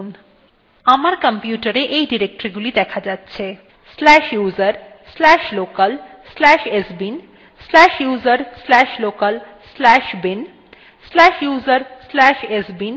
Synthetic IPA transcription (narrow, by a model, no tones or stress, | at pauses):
n | amaɾkəmpjuʈaɾeʔejɖiɾek̚ʈoɾiɡulid̪ɛkʰad͡ʑatːɕʰe | slɛʃjuzaɾ | slɛʃlokal | slɛʃesbin | slɛʃjuzaɾslɛʃlokal | slɛʃbin | slɛʃjuzaɾslɛʃesbin